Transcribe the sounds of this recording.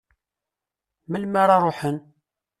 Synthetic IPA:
məlmaɾˤɑɾˤoħən

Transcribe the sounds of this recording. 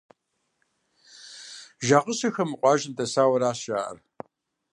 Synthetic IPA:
ʒaːqəɕɐxɐmɨqʷʼɑːʒɪntʰɐsaːwɐɾaːɕʒaːʔɐ̰r

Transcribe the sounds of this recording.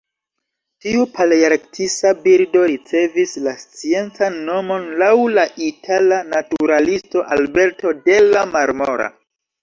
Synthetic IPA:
tiupʰaliaɾktʰisabiɾdo̞ɾit͡se̞vislast͡sie̞nt͡sanːo̞mo̞nlawlaʔitʰalanatuɾalisto̞ʔalbe̞ɾto̞de̞lamaɾmo̞ɾa̰

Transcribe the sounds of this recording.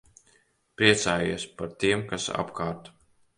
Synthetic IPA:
pɾiɛt̪saːjiːspaɾt̪iɛmkasa̰pkaːɾt̪

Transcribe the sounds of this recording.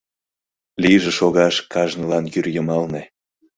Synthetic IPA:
liʒĕʃoɣɑʃkɑʒnəlɑnjyrjəmɑlne

